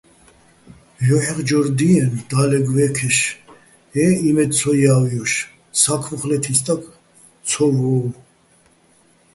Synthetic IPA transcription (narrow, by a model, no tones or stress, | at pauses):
jɔħɛχd͡ʒɔɾd̪iɛnd̪alɛɡvɛkʰɛʃ | ɛimɛd̪t͡sʰɔjawjɔʃ | sakʰvɔχlɛt̪ʰist̪ʼak | t͡sʰɔvɔː